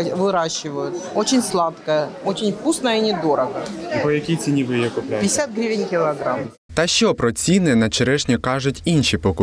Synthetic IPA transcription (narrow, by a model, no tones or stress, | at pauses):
vɨɾaɕːɪvəjʊt̪ot͡ɕɪnʲslˠat̪kəjəot͡ɕɪnʲfkusnəjinʲɪd̪oɾəɡəpɔjɐkʲijt͡sʲɪnʲibɨɪjokʊplʲpʲɪsʲat̪̚ɡɾʲivʲɪnʲkʲɪlˠɐɡɾam | t̪ɐʃt͡ʃɔpɾɔt͡sʲinːɛnɐt͡ʃeɾɛʃnʲikɑʐʊtʲinʲʃʲipɔkʊ